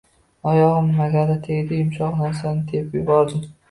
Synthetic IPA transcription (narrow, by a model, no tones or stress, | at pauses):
ɒjɒʁɨmːaɡʲad̪at̪ʰeɡʲd̪ɪɪmʃɒʁnaɾsanɪd̪ʰepjʊbɒɾd̪ɪm